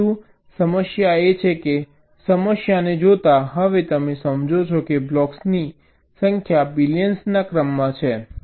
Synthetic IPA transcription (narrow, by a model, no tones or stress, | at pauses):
ũ | səməʃjaet͡ʃʰeke | səməʃjaned͡ʒot̪aɦəʋet̪əmesəmd͡ʒʱot͡ʃʰokeblɔksni | səŋkʰjabiljənsnakɾəmːãt͡ʃʰe